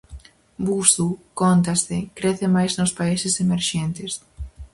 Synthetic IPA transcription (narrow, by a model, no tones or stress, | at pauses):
busukont̪̬asðɪkɾeθɪmajznʊspaisɪsemeɾʃent̪ɪs